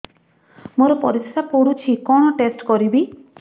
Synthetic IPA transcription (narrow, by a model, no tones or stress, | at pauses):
moɾɔpɔɾissapoɽut͡ʃʰikɔɽ̃ɔʈesʈkɔɾibi